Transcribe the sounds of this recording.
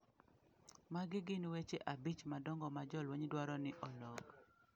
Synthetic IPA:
maɡɪɡɪnwet͡ʃeʔabit͡ʃmadɔŋɡɔmad͡ʒɔlweɲdwaɾɔnɪʔɔlɔɡ

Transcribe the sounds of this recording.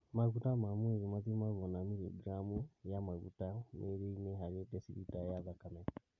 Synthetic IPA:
maɣutamamweðimaðimaɣɔnamiliɡɾamujamaɣṵtameɾeineɦaɾiɔdɛsiɾitajaðakanɛ

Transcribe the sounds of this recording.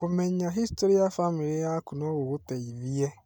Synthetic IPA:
kumeɲaɦistoɾiafamiɾijakʊnɔɣʊɣʊteivije

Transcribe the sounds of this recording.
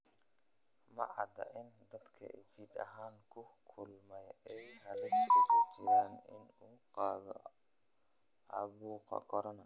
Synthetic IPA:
mɐʕɑd̪ɐ̰ʔɪnd̪ɐd̪kʰɐ̰ʔɪt͡ʃid̪ɐ̰ɦaːŋkʰʊkʰʊlmɛjɛjhɐɾɐskt͡ʃɪɾaːnɪ̰nuːqɑːðɔ̰ | ɑβuːqɑ̰kʰɔɾɐnɐ

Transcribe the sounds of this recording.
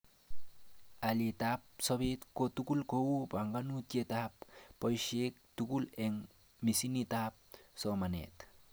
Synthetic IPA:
alet̪apsɔbet̪kot̪ukulkowubaŋɡanut̪jet̪ap̚ːɔjʃek̚t̪ukuleŋ | misinit̪ap̚sɔmanḛt̪

